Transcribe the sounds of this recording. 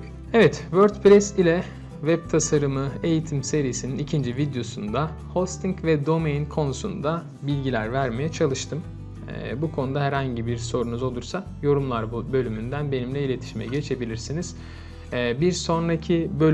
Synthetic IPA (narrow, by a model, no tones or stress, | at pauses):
ɛvɛt̪vøɾd̪pɾʲɛsilʲɛ | vɛb̚t̪ʰasaɾɯmɯe̞jit̪ʰimse̞ɾijisininicʰind͡ʒivid̪jo̞sund̪a | host̪ʰiɲcvɛd̪o̞mejnkʰo̞nusṵnd̪a | bilʲɟilʲæɾvæɾme̞jɛt͡ʃʰalˠɯʃt̪ʰɯm̰ː | bukʰo̞nud̪aɦɛɾhaɲɟibiɾso̞ɾunuzo̞lˠuɾsa | jo̞ɾumlˠaɾbbø̞lʲymynd̪ænbe̞nimlʲɛilʲe̞t̪ʰi̥ʃimɛ̰ɟe̞t͡ʃʰe̞bilʲiɾsiniz̥ː | biɾso̞nɾacʰibøl